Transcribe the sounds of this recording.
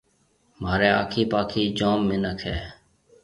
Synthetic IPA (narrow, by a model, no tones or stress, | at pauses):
maːɾeːa̰ːkʰiːpaːkʰiːd͡ʒoːmːɪnəkʰɛː